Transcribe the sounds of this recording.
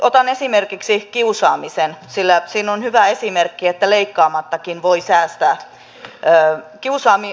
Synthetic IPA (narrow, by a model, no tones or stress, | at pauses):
ʔot̪ɑnesimerkiksikiusɑːmisensilːæsiːnonhyʋæesimerkːiet̪ːæleikːɑːmɑt̪ːɑkinʋoisæːst̪æː | øːkiusɑːmi